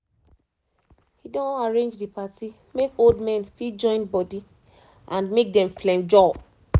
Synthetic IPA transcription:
hidõnaɹẽnd͡ʒdipati | mekoldmɛ̃nfid͡ʒɔ̃ɪ̃nbɔdi | ʔãnmek̚dɛ̃mflɛ̃nd͡ʒɔb

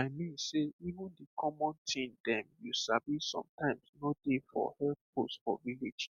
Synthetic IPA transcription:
aɪmĩnseivũndikʰɔmɔ̃ntʰĩndɛ̃mjusabisɔ̰̃mtãɪ̃msnodefɔ̰hɛlθ̚postfɔ̰viled͡ʒ

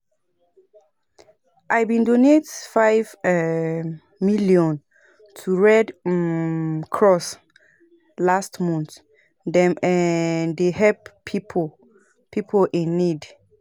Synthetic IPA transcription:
ʔajbĩndonetfajvɛ | miliɔ̃n | tʰuɹɛd | kʰɹɔs | lastmɔ̃nt | dɛ̃mɛ̃ndeɦɛppʰːipʰo | pʰipʰoʔĩnːid

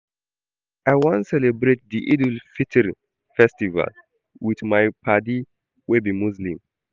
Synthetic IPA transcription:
ajwãnsɛlɛbɾet̚diʔidl̩fitʰɛɾ | fɛstiva̰l | wiθmajpʰadi | webimuzlĩm

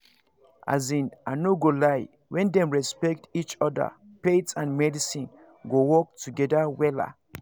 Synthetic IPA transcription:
a̰zĩnʔanoɡolaj | wɛ̃ndɛ̃mɹɛspɛk̚tit͡ʃɔda̰ | petsãnmɛdisĩn | ɡowɔk̚tʰuɡɛdawɛla̰

